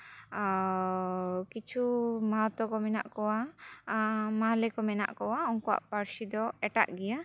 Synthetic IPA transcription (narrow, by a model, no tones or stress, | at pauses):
kit͡ʃʰumaɦɔt̪ɔkɔmɛna̰ʔkɔwa | malɛkɔmɛna̰ʔkɔwaɔŋkɔwa̰ʔpaɾsid̪ɔɛʈa̰ʔɡɛja